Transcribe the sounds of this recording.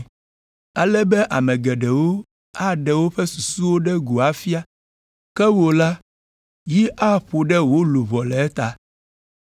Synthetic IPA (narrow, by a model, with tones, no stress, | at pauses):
a˨lɛ˦bɛ˦ʔa˨mɛ̃˨ɡɛ˨ɖɛ˨wo˦ | a˦ɖɛ˨wo˦ɸɛ˦su˨su˦wo˦ɖɛ˦ɡu˨a˨fi˦a˦ | kɛ˦wo˨la˦ | ji˦ʔa˦ɸo˨ɖɛ˦wo˦lu˨vɔ˨lɛ˨ɛ˦t̪a˨